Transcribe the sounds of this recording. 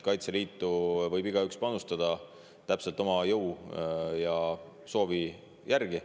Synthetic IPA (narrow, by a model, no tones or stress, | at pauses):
kɑjt̪se̞liːt̪ːˑuvɤjbiɡ̥ɑykspɑnust̪ɑd̪̥ɑ | t̪æpse̞lt̪ˑo̞mɑjɤw | jɑ | so̞ːvi | jʔæɾɡ̥i